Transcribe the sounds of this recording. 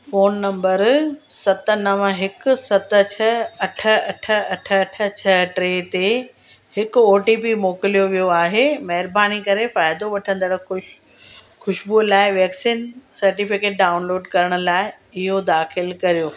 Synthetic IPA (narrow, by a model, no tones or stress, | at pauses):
foːnːɐ̃mbəɾsɐt̪ənɐʋə̃ɦɪkʊsɐt̪ət͡ɕʰɐɐʈʰə̆ɐʈʰəɐʈʰəɐʈʰət͡ɕʰɐʈɾeːt̪e | hɪkʊoːʈiːpimoːkɪlijoʋijoaːɦemɐɦɪɾbaːnikɐɾefaːɪd̪oʋɐʈʰə̃nd̪əɽʊ | xʊʃbulaːɪʋɛːksiːnsɐɾʈiːfɪkeːʈ̚ɖaːʊnloːɖkɐɾəɽ̃ʊ̆laːɪ | ɪɦod̪aːxɪlkɐɾijoː